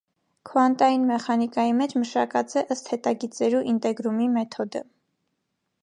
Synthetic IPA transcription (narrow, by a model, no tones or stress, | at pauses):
kʰɔɑnt̪ɑjinmɛχɑnikɑjimɛt͡ʃʰməʃɑkɑt͡sɛʔəst̪hɛt̪ɑɡit͡sɛɾuʔint̪ɛɡɾumimɛt̪ʰɔd̪ə̰